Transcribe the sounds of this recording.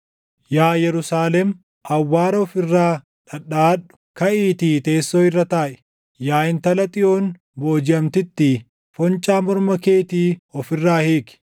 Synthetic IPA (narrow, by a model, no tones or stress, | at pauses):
jaːjɛɾʊsaːlɛm | ʔɐwːaːɾɐɔfɪrːaː | ᶑɐᶑaːᶑʊ̥kɐiːt̪iːt̪e̞ːsːoːɪrːɐt̪aːʔɛ̥ | jaːɪnt̪ɐlɐt̪ʼɪʔoːn | bo̞ːd͡ʒɪɐmt̪ɪt̪ːɪ | fɔnt͡ʃʼaːmɔɾmɐke̞ːt̪iːɔfɪrːaːheːkɪ̥